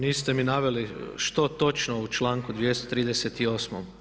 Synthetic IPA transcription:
niːst̪eminaːʋe̞liʃt̪o̞t̪o̞t͡ʃnout͡ʃlˠaːŋkud̪ʋjest̪ot̪ɾiːd̪eset̪io̞ːsmom

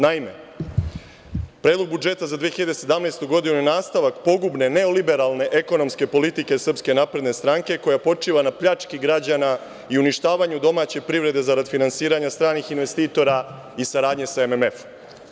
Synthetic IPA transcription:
naime̞̰ | pɾe̞ːd̪lo̞ɡ̚bud͡ʒe̞t̪azad̪ʋijexiʎad̪ese̞d̪amnest̪uɡo̞d̪inujenaːst̪aʋakpo̞ɡubne̞ne̞o̞libe̞ɾalˠne̞ʔeko̞no̞mske̞po̞lit̪ike̞sr̩pske̞naːpɾe̞d̪ne̞st̪ɾaŋke̞ko̞japo̞t͡ʂiːʋanapʎat͡ʂkiɡɾad͡ʑana | iuniʃt̪aːʋaɲud̪o̞maːt͡ɕe̞pɾiʋɾe̞d̪e̞zaɾad̪finansiːɾaɲast̪ɾaːnixinʋest̪iːt̪o̞ɾa | isaɾaːd̪ɲe̞saememefom

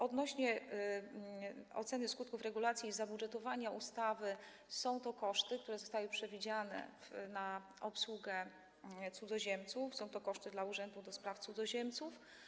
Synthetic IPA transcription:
ʔɔd̪nɔɕɲɛ | ɔ̰t̪sɛnɘskut̪̚kufɾɛɡulat̪sʲjiːzabudʐɛt̪ɔvaɲaʔust̪avɘ | sɔ̃w̃t̪ɔkɔʂt̪ɘk̚t̪uɾɛzɔst̪awɘpʂɛvʲid͡ʑanɛ̰fna | ɔpswuɡɛ | t̪sud̪zɔʑɛmt̪sufsɔ̃w̃t̪ɔkɔʂt̪ɘd̪lauʐɛnd̪ud̪ɔspɾaft̪sud̪zɔʑɛmt̪suf

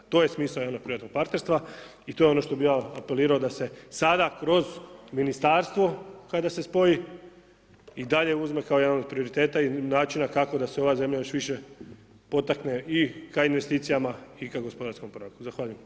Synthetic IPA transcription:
t̪oje̞smiːsaoad̪nopɾiʋat̪no̞ɡ̚paɾt̪ne̞ɾst̪ʋa | it̪o̞jeo̞no̞ʃt̪o̞bijaape̞liːɾaod̪ase̞sad̪akɾo̞zminist̪aːɾst̪ʋo̞kad̪ase̞spo̞ji | id̪aʎe̞uzme̞kaojed̪anod̪pɾio̞ɾit̪e̞ːt̪ainaːt͡ʃinakako̞d̪aseo̞ʋaze̞mʎajo̞ʃʋiʃe̞ | po̞t̪akne̞ikainʋe̞st̪iːt̪sijamaikaɡo̞spod̪aɾsko̞mpoɾokuzaxʋaːʎujem

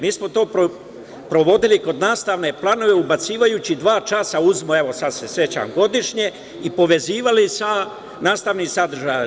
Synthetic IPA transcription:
miːsmo̞t̪o̞ːpɾo | pɾo̞ʋo̞d̪iliko̞d̪naːst̪aʋne̞plˠano̞ʋe̞ubat̪siːʋajut͡ɕid̪ʋaːt͡ʃaːsauzmoe̞ʋo̞sad̪se̞sje̞t͡ɕa̰ːmɡo̞d̪iʃɲe̞ | ipo̞ʋe̞ziːʋalisa | naːst̪aʋnisad̪ɾʒaj

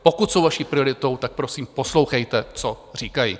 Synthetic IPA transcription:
po̞kut̪so̞wvaʃiːpɾɪo̞ɾɪt̪o̞wt̪ak̚pɾo̞siːmpo̞slo̞wxɛjt̪ɛt͡sor̝iːkajḭ

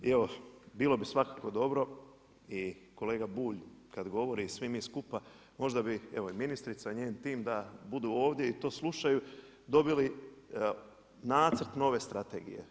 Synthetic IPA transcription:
eʋo̞biːlˠo̞bisʋakaːko̞d̪o̞bɾo̞ | iko̞le̞ːɡabuːʎkad̪ɡo̞ʋo̞ɾisʋimiːskupa | mo̞ʒd̪abie̞ʋo̞iminist̪ɾit̪saiɲeːnt̪iːmd̪abud̪uːo̞ːʋd̪jeit̪o̞ːslˠuʃaju | d̪o̞bili | naːt̪sɾ̩t̪no̞ʋe̞st̪ɾat̪e̞̰ɡḭje̞̰

